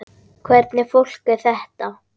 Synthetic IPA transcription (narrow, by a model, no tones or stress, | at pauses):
kʰvɛɾt̪nɪfowl̥kɪθɛht̪a